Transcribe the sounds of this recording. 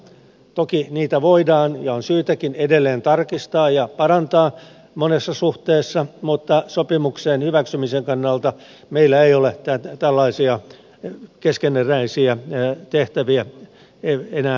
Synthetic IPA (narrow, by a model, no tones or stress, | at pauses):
t̪okiniːt̪æʋoidɑːnjɑonsyːt̪ækinedelːeːnt̪ɑrkist̪ɑːjɑpɑrɑnt̪ɑː | monesːɑsuht̪eːsːɑmut̪ːɑsopimukseːnhyʋæksymiseŋkɑnːɑlt̪ɑ | meilːæeiolet̪æt̪t̪ælːɑisiɑ | keskenːeræisiæt̪eht̪æʋiæ | eenæː